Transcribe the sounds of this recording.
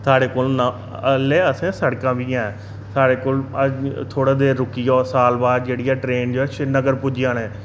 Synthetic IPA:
t̪ʰaːɽeːkoːlna | əleːəsẽːsəɽkãːʋiːãːɛ | sʰaːɽeːkoːləd͡ʒt̪ʰoːɽaːd̪eːɾʊkːiːaːsaːlbaːd̪̚d͡ʒeːɽijaːʈɾeːnd͡ʒoːɛːʃɪnəɡəɾpʊd͡ʒɪjãːneː

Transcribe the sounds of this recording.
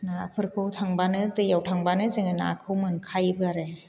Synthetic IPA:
napʰɯɾkʰɯwtʰaŋbanɯtɯjawtʰaŋbanɯzɯŋɯna̰akʰɯwmɯnkʰajbɯaɾe

